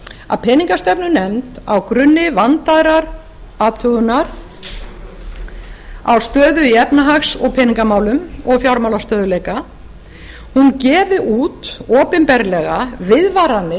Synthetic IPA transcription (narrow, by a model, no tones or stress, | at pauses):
a̰ðpʰɛːniŋkast̪ɛpnʏnɛmt̪awkɾʏnːɪvant̪aðɾaɾ | aːt̪ʰœɣʏnːaɾ̥ | a̰wst̪œːðʏiɛpnaɦaxsɔɣpʰɛniŋkamaːwlʏmɔɣfjawɾmawlast̪œːðʏleːjka | huncɛːvɪʔuːt̪ɔːpɪnpɛɾlɛɣavɪðvaɾanːɪ